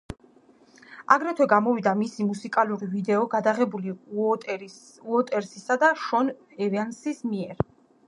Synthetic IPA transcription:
a̰ɡɾɛt̪ʰwɛɡamɔvid̪amisimusikʼaluɾivid̪ɛɔɡad̪aʁɛbuli | uɔt̪ʼɛɾsisad̪aʃɔn | ɛvansismiɛɾ

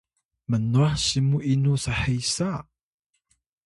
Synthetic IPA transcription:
mənuaħsimuʔinusaħejsa

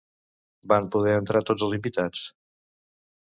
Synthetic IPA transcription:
bampuðɛənt̪ɾat̪od͡zzəlˠzimbit̪at͡s

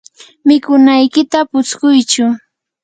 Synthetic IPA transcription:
mɪkʊnajkɪt̪apʊt͡skʊjt͡ʃʊ

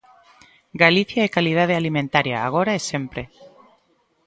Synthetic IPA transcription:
ɡaliθjaekalið̞að̞ealimẽnt̪aɾja̰ːɣ̞oɾaesempɾe

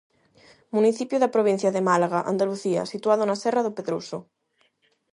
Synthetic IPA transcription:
muniθipjoðapɾoβĩn̟θjaðemalaɣaʔa̰nd̪aluθia̰sit̪waðonasɛraðopeðɾuso

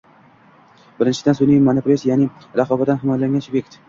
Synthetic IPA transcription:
b̥ɪɾɪnt͡ʃʰɪd̪ansunimanɪpʰɾosjanɪ | ɾaqʰɒbat̪ːanɦɪmɒjlaŋʲant͡ʃʰbʲekʲt̪

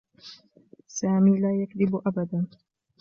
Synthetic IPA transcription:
saːmiːlaːjakðɪbʔabad̪aː

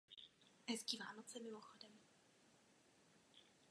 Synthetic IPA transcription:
ɛskiːvaːnot͡sɛmɪmoxodɛm

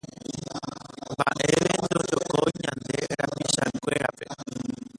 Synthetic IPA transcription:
mba̰ʔe̞ʋend̪od͡ʒokoɲãnd̪e̞ɾapiʃakʷe̞ɾape̞

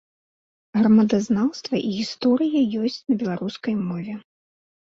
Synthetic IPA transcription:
ɣɾɐmɐd̪aznawst̪vɐʔiɣʲist̪ɔɾɨjɐjɔsʲt͡sʲnɐbʲɛlˠaɾuskɐjmɔvʲɛ

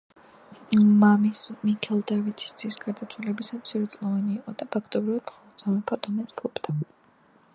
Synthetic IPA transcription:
mamismikʰɛlˠd̪avit̪sʰi̥st̪sʰisɡaɾd̪at̪ʰwalɛbisamt̪sʰiɾɛt̪sʼlˠɔvaniːqʼɔd̪apʰakʰt̪ʼɔbɾivad̪mχɔlˠɔd̪z̥amɛpʰaɾd̪ɔmɛskʰlˠupt̪ʰa

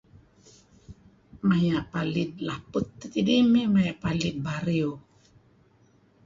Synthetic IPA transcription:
majapalid̪̚laput̪ːət̪idimemajapalid̪̚baɾio

